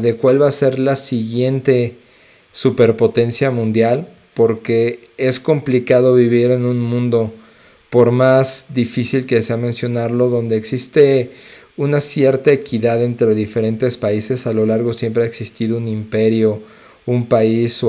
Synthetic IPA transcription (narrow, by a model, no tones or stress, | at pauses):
ðe̞kwalβase̞ɾlasiɣje̞nt̪e̞ | supe̞ɾpot̪e̞nsjamũnd̪jal | po̞ɾke̞ | e̞sko̞mplikaðo̞βiβ̞iɾe̞nũnmũnd̪o | po̞ɾmazðifisilkeseamẽ̞nsjo̞naɾlo̞ðo̞nd̪eeːksist̪e̞ | unasje̞ɾt̪aekiðaðe̞nt̪ɾe̞ðife̞ɾe̞nt̪e̞spaise̞salo̞laɾɣo̞sje̞mpɾeaeksist̪iðo̞unĩmpe̞ɾjo̞ | umpais